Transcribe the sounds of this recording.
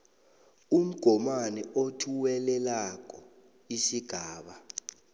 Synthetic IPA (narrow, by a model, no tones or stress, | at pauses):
um̩ɡ̥ʱɔmanɛotʰuwɛlɛlak̬ʼɔ | isiɡ̥ʱaːɓa